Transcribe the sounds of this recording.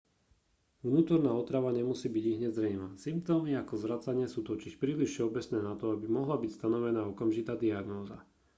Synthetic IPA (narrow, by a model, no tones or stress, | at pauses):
ʋnuːt̪ɔɾnaːɔt̪ɾaʋaɲɛmusiːbiɟiɦɲɛzɾɛjmasimpt̪ɔːmiakɔzʋɾat͡saɲɪɛsuːt̪ɔciʃpɾiːliʃʃɛɔbɛt͡snɛːnat̪ɔabimɔɦlabicst̪anɔʋɛnaːɔkamʒit̪aːd̪iaɡnɔːza